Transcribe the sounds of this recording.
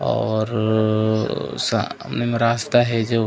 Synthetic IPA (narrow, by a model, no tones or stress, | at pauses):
ɔːɾ | saə̰mnemeɾaːst̪aɦɛd͡ʒoː